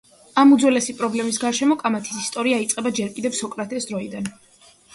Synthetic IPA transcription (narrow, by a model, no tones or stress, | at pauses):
amud̪zwɛlɛsipʼɾɔblɛmisɡaɾʃɛmɔkʼamat̪ʰi̥sist̪ʼɔɾiait̪sʼqʼɛbad͡ʒɛɾkʼid̪ɛvsɔkʼɾat̪ʰɛsd̪ɾɔid̪an